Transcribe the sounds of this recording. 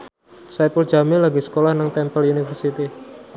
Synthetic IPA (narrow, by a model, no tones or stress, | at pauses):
sajpul̥d͡ʒamɪlaɡisə̥kolahnaŋt̪ɛmpəlunifərsit̪i